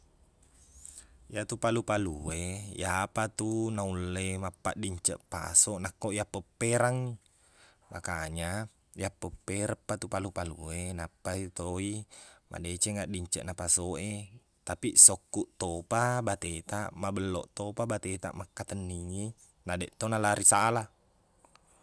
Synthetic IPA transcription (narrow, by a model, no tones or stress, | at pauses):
jat̪upalupaluejapat̪unaulːemapːa̰ʔdiɲt͡ʃəʔpa̰soʔnakːoʔijapːəpːeɾaŋ | makaɲa | japːəpːeɾəpːat̪upalupaluenapːat̪oimʔa̰det͡ʃeŋaʔdiɲt͡ʃə̰ʔnapasoʔe | t̪apiʔsokːuʔt̪opabat̪et̪aʔmabəlːo̰ʔt̪opabat̪et̪a̰ʔmakːat̪ənːiŋi | nadeʔt̪onalaɾisala